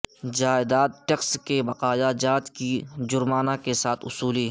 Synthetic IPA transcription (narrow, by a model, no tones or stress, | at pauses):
d͡ʒaːɪd̪aːd̪̚ʈekskebɐqaːjad͡ʒaːd̪kid͡ʒʊɾmaːnakesaːt̪ʰʊsuːliɦ